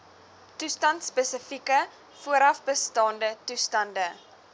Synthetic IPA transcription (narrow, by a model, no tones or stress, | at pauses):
tustɐntspəsəfikə | fuəɾɐfbəstɑːndətustɐndə